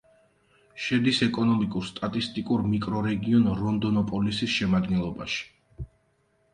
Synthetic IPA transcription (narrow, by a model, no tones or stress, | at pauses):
ʃɛd̪isɛkʼɔnɔmikʼuɾst̪ʼat̪ʼist̪ʼikʼuɾmikʼɾɔɾɛɡiɔnɾɔnd̪ɔnɔpʼɔlisisʃɛmad̪̚ɡɛnlˠɔba̰ʃi̥